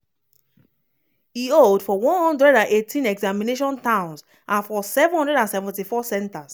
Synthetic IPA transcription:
ioldfɔwɔ̃nhɔ̃ndɹɛdãnetʰĩnɛɡzamĩneʃ̬ɔ̃ntãʊ̃ns | ʔãnfɔsɛṽhɔ̃ndɹɛdãnsɛvɛ̃ntifɔsɛ̃ntas

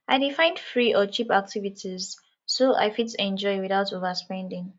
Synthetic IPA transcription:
ʔaɪdifãɪ̃ndfɹiʔɔt͡ʃipak̚tʰivitʰiz | soʔa̰ɪfitsɛ̃nd͡ʒɔɪwiθaʊtovəspɛ̃ndɪ̃ŋ

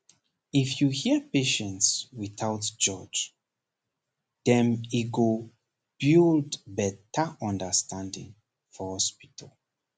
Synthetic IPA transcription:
ifjuhiəpeʃə̃ntswiθaʊtd͡ʒɔd͡ʒ | dɛ̃miɡo | b̥ildbɛtəɔ̃ndəstʰãndḭ̃ŋ | fɔhɔspitʰəl

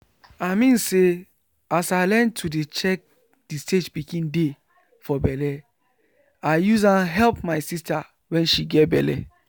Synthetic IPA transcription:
aɪmĩnse | asaɪlɛ̃ntʰudet͡ʃɛk̚ | d̥isted͡ʒbiɡĩnde | fɔbɛlɛ | aɪjuz̬ãɦɛlp̚maɪsista | wɛ̃nʃiɡɛt̚bɛlɛ̰

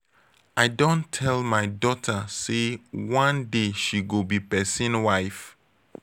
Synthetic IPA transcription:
aɪdõntʰɛlmaɪdɔtʰəsewãndeʃiɡobipɛsĩnwaɪf

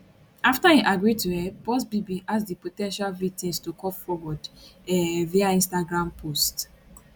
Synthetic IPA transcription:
aftahiʔaɡɹituhɛbɔsbibĩʔasdipotɛ̃nʃalvitɛ̃nstukɔpfɔwɔdɛviaĩnstaɡɹãmpʰost

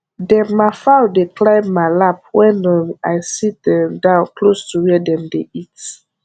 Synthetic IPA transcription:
dɛ̃maɪfawdekʰlãɪmːaɪlap̚wɛ̃najsit̚dɛmdãʊ̃nkʰlostuwidɛ̃mdeit

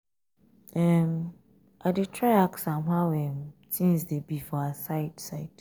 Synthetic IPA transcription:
ɛm | ʔadetʰɹajaksãmɦawɛ̃msĩnsdebifɔasaɪtsaɪt

